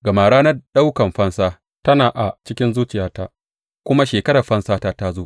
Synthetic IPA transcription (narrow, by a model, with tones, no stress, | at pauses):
ɡɐ˨maː˨ɽaː˦nɐ˦ɗa˦wkɐ˨mɸɐ˦nsaː˦ | tɐ˦naː˨ʔa˨t͡ʃɪ˦kʲɪ˦nzuː˦t͡ʃɪ˨jaː˦ta˦ʔ | kʷʊ˦ma˦ʃeː˨kɐ˦ɽɐ˨ɸɐ˦nsaː˦taː˦ta˦zoː˦ʔ